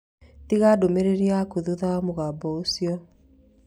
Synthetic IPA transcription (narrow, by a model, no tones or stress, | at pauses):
tiɣadomeɾeɾiakoðuðaamoɣabɔosiɔ